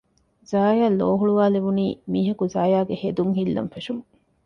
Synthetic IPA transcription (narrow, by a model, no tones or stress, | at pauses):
zaːjaːlːoːɦuɭuʋaːleʋuniːmiːɦɐkuzaːjaːɡehed̪uŋɦilːɐ̰mfeʂuŋ